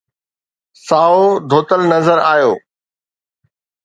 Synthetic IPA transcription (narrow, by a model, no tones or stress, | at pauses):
saːod̪ʱoːt̪əlnɐzəɾaːjoː